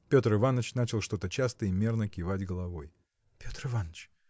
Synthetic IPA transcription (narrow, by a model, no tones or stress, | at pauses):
pʲo̞t̪rɨvanːət͡ɕnat͡ɕɪlˠʂt̪o̞t̪ət͡ɕast̪əimʲe̞rnəkʲɪvadʲɡəlˠɐvo̞j | pʲot̪rɨvanət͡ɕ